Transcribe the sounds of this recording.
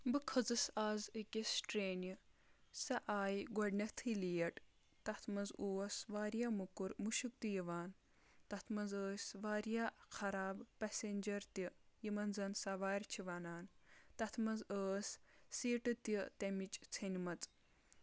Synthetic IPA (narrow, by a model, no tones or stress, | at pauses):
bɨkʰɐd͡zɨsaːzɨkʲisʈɾeːnisɐʔaːjɡɔɖnʲɐt̪ʰɨlijɐʈ | t̪ɐt̪ʰmɐnzuːsʋaːɾjamukuɾmuʃuk̚t̪ijiʋaːn | t̪ɐt̪ʰmɐnzəːsʲʋaːɾjaːxʰɐɾaːbpɐsʲenʲd͡ʒɐɾt̪ijimɐnzɐnsɐʋaːɾʲt͡ʃʰiʋanaːnt̪ɐt̪ʰmɐnzəːsːiːʈɨt̪it̪ɐmit͡ʃt͡sʰɐnʲimɐt͡sʼ